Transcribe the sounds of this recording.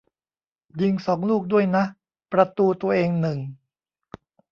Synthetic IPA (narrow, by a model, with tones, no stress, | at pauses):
ji˧ŋsɔː˩˦ŋluː˥˩k̚du˥˩əjna˦˥ʔ | pɾa˧t̪uː˧t̪u˧ɐʔeː˧ŋnɯ˨˩ŋ